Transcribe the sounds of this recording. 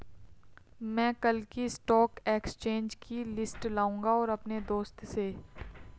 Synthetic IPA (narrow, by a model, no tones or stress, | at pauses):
mɛ̃ːkɐlkisʈɔːkeːkst͡ʃẽːnd͡ʒkʰilɪsʈlaːũːŋɡaɔːɾɐpned̪oːst̪se